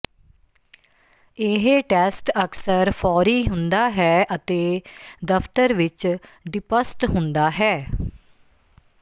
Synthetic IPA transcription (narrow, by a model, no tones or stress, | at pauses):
ɪɦeʈɛːsʈəksəɾpʰɔːɾiːɦʊnd̪aːɦɛːʔət̪eːd̪əpt̪əɾʋɪt͡ʃɖɪpəsʈɦʊnd̪aːɦɛː